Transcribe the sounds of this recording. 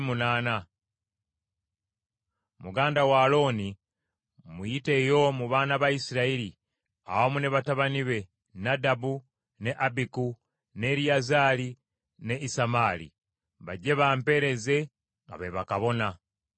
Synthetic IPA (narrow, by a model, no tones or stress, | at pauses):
munaːna | muɡaːndawaːlo̞ːni | mujite̞ːjo̞muβaːnaβaisiɾaiɾi | a̰womune̞βataβaniβe̞ | nadabu | ne̞ʔabiku | ne̞ɾiazaːli | ne̞isamaːlḭ | βaɟe̞βaːmpe̞ɾe̞ze̞ | ŋɡa̰βeβakaβo̞na